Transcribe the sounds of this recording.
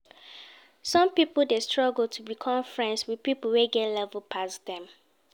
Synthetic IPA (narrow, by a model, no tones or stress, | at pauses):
sɔ̃mpipl̩destɹɔɡl̩ˠtʰubikʰɔ̃ɱfɹɛ̃nswiðpipəl̩ˠweɡɛtlɛvəlpʰasdɛ̃m